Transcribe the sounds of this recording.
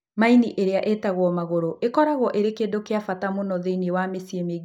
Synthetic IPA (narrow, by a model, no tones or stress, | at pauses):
mainiʔeɾeaʔetaɣwɔmaɣoɾoʔekɔɾaɣwɔʔeɾekeːndokeafatamonɔðeinewamesiemeɡ